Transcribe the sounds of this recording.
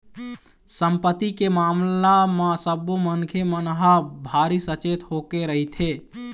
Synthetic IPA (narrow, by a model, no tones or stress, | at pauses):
səmpət̪ːikemamlamasəbumənkʰemənɦabʱaɾisət͡ʃet̪ɦokeɾəɦit̪ʰe